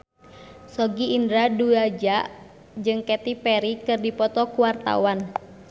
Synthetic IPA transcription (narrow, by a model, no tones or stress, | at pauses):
sɔɡiːndɾaduad͡ʒaʔ | d͡ʒɨŋkɛt̪ipɛɾikɨrdipɔt̪ɔkuwart̪a̰wan